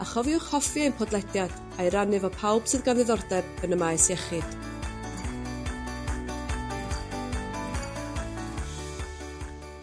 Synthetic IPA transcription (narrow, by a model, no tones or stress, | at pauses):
aχɔviʊχhɔfjenpʰɔdlˠɛdjad̥ | ajɾanɨvɔpʰawb̥sɨðɡanðɨðɔrdɛb̥̚ənəmajsɛχɪd̥